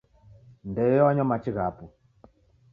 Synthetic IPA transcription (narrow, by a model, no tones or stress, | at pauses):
ndɛɔaɲɔmat͡ʃiɣapu